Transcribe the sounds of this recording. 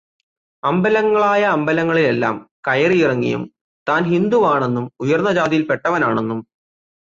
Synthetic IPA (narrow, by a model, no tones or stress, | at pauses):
ɐmbɐlɐŋːɐɭaːjɐːmbɐlɐŋːɐɭile̞lːa̰ːmkɐjɐrijirɐŋːḭjṵm | t̪aːnɦind̪uʋaːɳe̞nːumujɐrnːɐd͡ʑaːd̪ijilpe̞ʈːɐʋɐnaːɳe̞nːum